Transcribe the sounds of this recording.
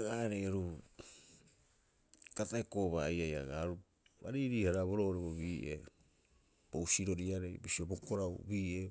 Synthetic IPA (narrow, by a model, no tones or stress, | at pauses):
ɡaɾejaɾu | tataeko̞βajaja̰ɡaɾu | ba̰ɾiɾiːhaɾaβo̞ɾo̞ɾeβoβiːʔḛ | b̥ousiɾo̞ɾiaɾe̞jbisiobo̞koɾawbiːʔe